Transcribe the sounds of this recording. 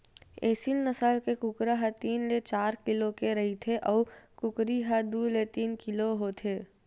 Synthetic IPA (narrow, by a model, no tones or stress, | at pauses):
eːsilnəsalkekʊkɾaɦət̪iːnlet͡ʃaːɾkɪlokeɾɐɦit̪ʰeʔɔːkʊkɾiɦad̪uːlet̪iːnkɪloɦoːt̪ʰeː